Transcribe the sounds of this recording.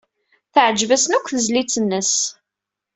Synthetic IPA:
θʕd͡ʒvæsnækʷːθəzlit͡sːənːəs

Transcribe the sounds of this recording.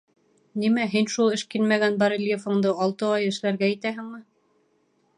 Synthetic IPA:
nimæɦinʃulˠɘ̆ʃkinmæɡænbɑɾɘlʲjefɤ̆ɴd̪ɤɑlˠt̪ɤɑjɘ̆ʃlæɾɡæĭt̪æɦɘ̆ŋmɘ

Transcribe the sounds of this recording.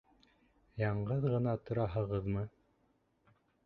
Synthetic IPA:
jɑɴɢɤðʁɤ̆nɑt̪ŏɾɑɦɤ̆ʁɤðmɤ

